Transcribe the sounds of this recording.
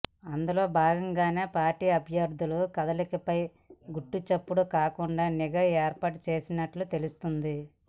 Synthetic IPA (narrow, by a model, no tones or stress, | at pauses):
ɐnd̪ulo̞ːbʱaːɡɐŋɡaːne̞ːpaːɾʈiːɐbʱjɐɾd̪ʱulukɐd̪ɐlikipɐj | ɡuʈːut͡ʃɐpːuɽukaːkuɳɖaːniɡɐeːɾpaːʈut͡ʃe̞ːsinɐʈlut̪e̞lust̪und̪i